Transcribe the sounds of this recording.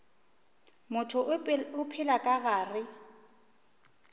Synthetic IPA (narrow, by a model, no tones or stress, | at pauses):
mʊtʰʊʊpʰɪlakʼaɣaːrɪ